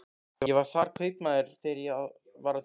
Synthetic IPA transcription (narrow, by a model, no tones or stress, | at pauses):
ɛɛvaɾ̥θaːɾ̥kʰœɥpnaðɪɾ̥θɛɾjɛað | vaɾa